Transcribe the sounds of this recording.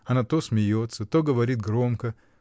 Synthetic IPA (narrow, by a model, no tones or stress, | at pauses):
ɐnat̪osʲmʲɪjot̪sət̪oɡəʋɐɾʲit̪̚ɡɾomkə